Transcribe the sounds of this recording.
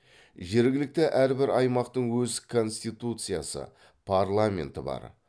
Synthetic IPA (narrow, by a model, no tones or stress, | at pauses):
ʒe̞ɾɡʲɪlɪk̚t̪ɪʔæɾbɪɾɑjmɑqt̪əɴwɵzkʰo̞nst̪ijt̪ut̪sɨjasə̰ | pʰaɾlˠamʲe̞̰nt̪ɪbɑ̰ɾ